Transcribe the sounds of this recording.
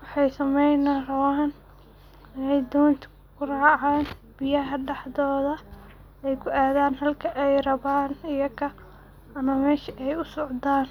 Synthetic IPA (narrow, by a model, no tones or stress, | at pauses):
wɑħɑjsɐmɛjnɐrɐwaːn | ɪnɛjd̪ɔːnt̪ʰɪ̥ | kʰʊraːʕaːn | b̥ɪjɐɦɐɖɑħðɔːðɐ | ɛjkʰʊʔaːðaːnɦɐlkʰɐʔɛjrɐβaːnɪjɐkʰɐ | ɐmɐmɛːʃɐʔɛjʊsɔʕd̪aːn